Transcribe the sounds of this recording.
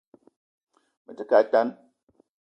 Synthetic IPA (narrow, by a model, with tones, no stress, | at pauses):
mə˨tɨ˦ka˨˦ta˦n